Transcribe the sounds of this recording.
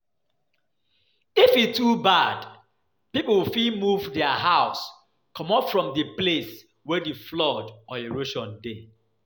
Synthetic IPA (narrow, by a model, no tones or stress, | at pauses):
ifitʰubad | piplwɪfilmuvdɛəɦaʊs | kʰɔ̃mɔpfɹɔ̃mdəples | wɛdeflɔdʔɔeɹoʃɔ̃nde